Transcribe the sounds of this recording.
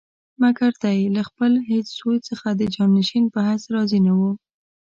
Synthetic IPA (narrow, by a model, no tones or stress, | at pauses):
makaɾd̪ajlaxpəlɦet͡ssolt͡səxad̪əd͡ʒɑnːɪʃinpəɦasɾɑzinawu